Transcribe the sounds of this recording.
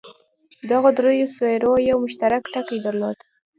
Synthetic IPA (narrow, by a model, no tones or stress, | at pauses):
d̪aɣad̪ɾojosejɾojawmʊʃt̪aɾakʈakijd̪əɾnɑt̪